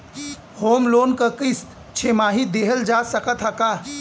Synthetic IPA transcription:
hoːmloːnkəkist̪ | t͡ʃʰemaːɦid̪eɦəld͡ʒasəkət̪ɦəka

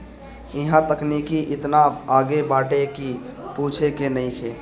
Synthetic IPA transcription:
ɪɦãt̪əknikiʔɪt̪naaːɡebaːʈekipuːt͡ʃʰekenəĩkʰe

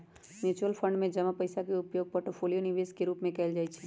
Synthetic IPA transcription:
mjuːt͡ʃəlpʰə̃ɳɖmẽd͡ʒɐmapɐɪsakeʊpjoːɡ̚poːɾʈopʰoːlijonɪʋeːskeɾuːpmẽkɛːld͡ʒaːit͡ʃʰɛ

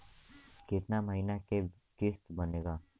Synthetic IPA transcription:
kɪt̪naməɦinake | kɪst̪bəneːɡaː

